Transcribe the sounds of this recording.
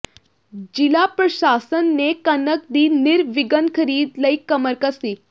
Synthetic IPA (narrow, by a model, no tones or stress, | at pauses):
d͡ʒilapɾəɕasənːekənək̚d̪iːniɾʋiɡənkʰəɾiːd̪ləikəməɾkəsi